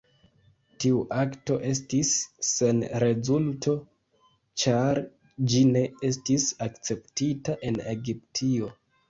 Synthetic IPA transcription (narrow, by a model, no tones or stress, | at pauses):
tiuʔakto̞ʔe̞s̬tisːe̞nɾe̞zultʰo̞ | t͡ʃaɾ | d͡ʒine̞e̞stisakt͡se̞ptitaʔe̞ne̞ɡip̚tʰio̞